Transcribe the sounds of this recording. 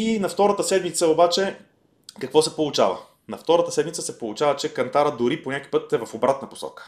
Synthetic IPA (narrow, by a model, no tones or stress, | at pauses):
inɐft̪ɔɾət̪əsɛd̪mit̪səobat͡ʃɛ | kɐkvɔsɛpolˠʊt͡ʃa̰və̰ | nɐft̪ɔɾət̪əsɛd̪mit̪səsɛpolˠʊt͡ʃavət͡ʃɛkɐnt̪aɾəd̪ʊɾipoɲʲaku̥ijpɤt̪ɛvɐfobɾat̪nɐpo̥sɔ̰kə̥